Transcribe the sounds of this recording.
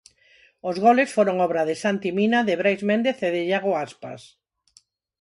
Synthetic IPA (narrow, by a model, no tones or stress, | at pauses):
ozɣɔlesfoɾoŋɔβɾaðɪsant̪iminaðɪβɾajzmẽnd̪eθeðɪʎaɣoaspa̰s